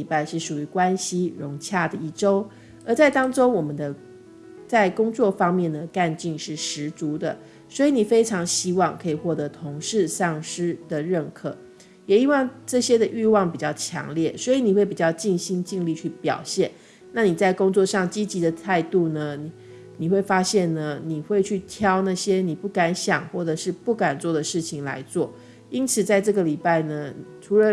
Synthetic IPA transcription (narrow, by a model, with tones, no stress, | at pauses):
i˨˩pa˥˧ɪʂɻ̩˥˩ʂu˨˩y˧˥kwa˦nɕi˥ɻʊ˧˥ŋt͡ɕʰja˥˩d̪ə˩i˥˩ʈ͡ʂo˥ʊ | ə˞˧˥t͡sa˥˩ɪt̪ɑ˥ŋʈ͡ʂo˥ŋwɔ˨˩mə˦nd̪ə˧ | t͡sa˥˩ɪkʊ˥ŋt͡swɔ˥˩fɑ˥ŋmjɛ˥˩nd̪ə˩ka˥˧nt͡ɕi˥˧ŋʂɻ̩˥˩ʂɻ̩˧˥t͡su˧˥d̪ə˨ | swɔ˧˥i˧˥ni˨˩fe˥ɪʈ͡ʂʰɑ˧˥ŋɕi˥wɑ˥˩ŋkʰɤ˧˥i˨˩xwɔ˥˩t̪ɤ˧˥t̪ʰʊ˧˥ŋʂɻ̩˥˧sɑ˥˩ŋʂɻ̩˥d̪ə˨ɻə˥˩nkʰɤ˨˩˦ | jɛ˨˩i˥wɑ˥˧ŋʈ͡ʂɤ˥˩ɕjɛ˥d̪ə˨ʔy˥˧wɑ˥˩ŋpi˨˩t͡ɕjɑ˥˩ʊt͡ɕʰjɑ̰˧˥ŋljɛ˥˩swɔ˧˥i˧˥ni˨˩xwe˥˩ɪpi˨˩t͡ɕjɑ˥˧ʊt͡ɕi˥˩nɕi˥ŋt͡ɕi˥˧ŋli˥˧t͡ɕʰy˥˩pjɑ̰˨˩ʊɕjɛ˥˩˨n | na˥˩ni˨˩t͡sa˥˩ɪkʊ˥ŋt͡swɔ˥˧ʂɑ˥˩ŋt͡ɕi˥t͡ɕi˧˥d̪ə˨t̪ʰa˥˧ɪt̪u˥˩nə˩ni˨ | ni˨˩xwe˥˩ɪfa˥ɕjɛ˥˩nnə˩ni˨˩xwe˥˧ɪt͡ɕʰy˥˩t̪ʰjɑ˥ʊna˥˩ɕjɛ˥ni˨˩pu˥˩ka˧˥nɕjɑ˨˩ŋxwɔ˥˩ʈ͡ʂɤ˨˩ʂɻ̩˥˧pu˥˩ka˨˩nt͡swɔ˥˩d̪ə˩ʂɻ̩˥˩t͡ɕʰi˨˩ŋla̰˧˥ɪt͡swɔ˥˩ | i˥nt͡sʰɹ̩˨˩t͡sa˥˧ɪʈ͡ʂɤ˥˩ɡə˨li˨˩pa˥˩ɪnə˩ʈ͡ʂʰu˧˥lə˧˦